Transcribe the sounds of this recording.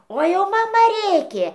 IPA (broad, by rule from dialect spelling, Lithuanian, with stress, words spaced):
oː ˈjɛʊ mɐˈmɐ ˈrʲeːkʲeː